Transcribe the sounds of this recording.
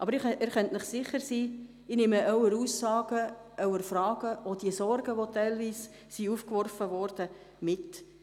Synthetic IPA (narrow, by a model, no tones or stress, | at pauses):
ʔɑbəɾɪɪːɾχœntnɪχsɪχəɾsiː | ɪnɪməʔœwəɾuːsːɑːɡ̥ə | ʔœwəɾfrɑːɡ̥əʔodiəsɔɾɡəʋotæɪlviːs | siufkʋɔrfəʋɔɾd̥ə | mɪt